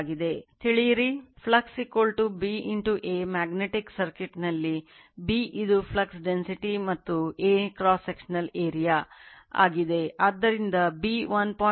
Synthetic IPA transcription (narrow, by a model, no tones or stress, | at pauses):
ɡid̪e̞t̪iɭijɐɾipʰlɐksikːolʈubiːʔiɳʈuʔeːmaːɡneʈiksɐɾkiʈnɐlːi | biːʔid̪upʰlɐksɖensiʈimɐt̪ːueːkɾaːsːekʃɐnɐleːɾija | a̰ːɡid̪e̞aːd̪ːɐɾind̪ɐbiːʋɐnpɔ